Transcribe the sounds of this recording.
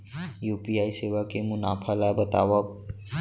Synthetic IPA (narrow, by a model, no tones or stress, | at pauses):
jupiaiseʋakemunapʰalabət̪a̰ʋə